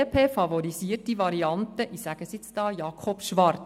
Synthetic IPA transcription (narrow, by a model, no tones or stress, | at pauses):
pʰeːfɑʋɔɾisiətiʋɑɾiɑnt̪əʔisæɡ̥əsɪt͡sd̥ɑːjɑːkʰɔpʃʋɑrt